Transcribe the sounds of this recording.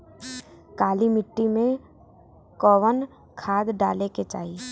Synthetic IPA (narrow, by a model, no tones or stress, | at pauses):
kaːlimɪʈːimẽ | kɔːʋən | kʰaːd̪ɖaːleket͡ʃa̰ːi